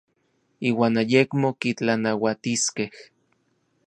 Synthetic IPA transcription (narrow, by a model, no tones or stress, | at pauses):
iːwaːnajekmokit͡ɬanawat̪iskeh